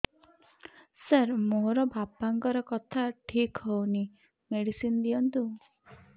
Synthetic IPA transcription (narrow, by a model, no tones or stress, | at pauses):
səɾmoɾɔbʱapaŋkɔɾɔkɔt̪ʰaʈʰikɦɔwni | meɽisind̪ijɔnt̪u